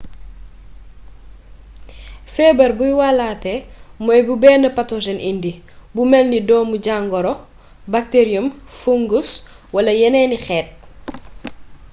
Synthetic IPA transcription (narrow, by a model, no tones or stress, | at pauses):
fɛːbɐɾbujwalaːtɛmɔjbubɛːnɐpatɔʒɛnʔindi | bumɛlnidɔːmuɟaŋɡɔɾɔ | bak̚teɾijumfuŋɡus | wɐlɐjɛnɛːnixɛːt̚